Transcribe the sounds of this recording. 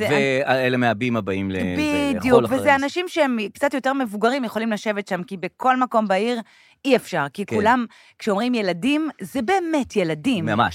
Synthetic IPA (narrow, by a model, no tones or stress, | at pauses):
zeveaelemeabimabaimlḛbidijuvezeanaʃimʃeemkt͡satjote̞ʁme̞vuɡaʁimjeχolimlaʃe̞vetʃamkibekʰo̞lmako̞mbaiʁ | iefʃaʁkikulam | kʃeomʁimje̞ladimzebe̞ːme̞tje̞ladimmama̰ʃ